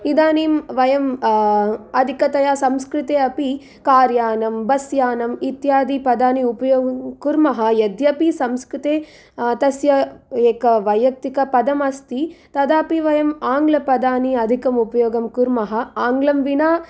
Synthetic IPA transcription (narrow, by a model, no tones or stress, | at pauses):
id̪aːniːmʋɐjɐm | ɐd̪ʱikɐt̪ɐjaːsɐmskɾut̪eːɐpi | kaːɾjaːnɐmbɐsjaːnɐmit̪jaːd̪ipɐd̪aːniupɐjoːkuɾmɐɦɐjɐd̪jɐpisɐmskɾut̪eː | t̪ɐsjɐeːkɐʋɐjɐk̚t̪ikɐpɐd̪ɐmɐst̪it̪ɐd̪aːpiʋɐjɐmaːŋɡlɐpɐd̪aːniɐd̪ʱikɐmupɐjoːɡɐmkuɾmɐɦɐaːŋɡlɐmʋinaː